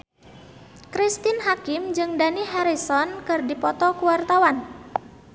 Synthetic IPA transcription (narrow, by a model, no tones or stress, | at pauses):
kɾist̪ɪnɦakɪmd͡ʒɨŋdaniɦaɾisɔnkɨrdipɔt̪ɔkuwart̪awan